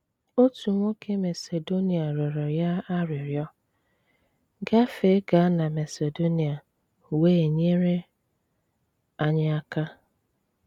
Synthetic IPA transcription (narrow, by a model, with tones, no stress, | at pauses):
o˦tu˨ŋʷo˦ke˦me˨se˨do˦ni˨a˨ɾɔ˨ɾɔ˨ja˦a˦ɾɪ˨ɾjɔ˦ | ɡa˦fe˨˦ɡa˨˦na˨me˨se˨do˦ni˨a˨ | weː˦e˨ɲe˦ɾe˦ | a˦ɲa˦a˦ka˦